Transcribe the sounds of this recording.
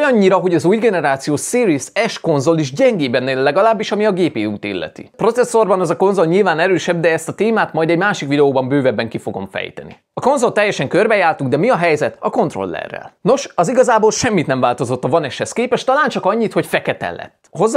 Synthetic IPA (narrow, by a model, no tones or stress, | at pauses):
jɒɲːiɾɒɦo̞ɟɒzuːjɡɛnɛɾaːt̪sijoːsiːɾisɛʃko̞nzo̞liʒɟɛŋɡeːbɛnːeːlːɛɡɒlaːbːiʃɒmiɒɡeːpeːuːt̪ḭlːɛ̰t̪ḭpro̞t̪sɛsːo̞rbɒnɛzɒko̞nzo̞lɲilvaːnɛɾøːʃɛbd̪ɛɛst̪ɒt̪eːmaːt̪mɒjd̪ɛɟmaːʃikʋid̪ɛoːbɒmbøːvɛbːɛŋkifo̞ɡo̞̰mfɛ̰jt̪ɛ̰nḭ | ɒko̞nzo̞lt̪ɛjːɛʃɛŋkørbɛjaːrt̪uɡd̪ɛmiɒɦɛjzɛt̪ɒko̞nt̪ro̞̰lːɛ̰rːɛ̰lno̞ʃɒziɡɒzaːboːlʃɛmːit̪nɛɱvaːlt̪o̞zo̞t̪ːɒvɒnɛʃhɛskeːpɛʃt̪ɒlaːnt͡ʃɒkɒɲːit̪ho̞cfɛkɛt̪ɛ̰lːɛ̰t̪ː | ho̞zː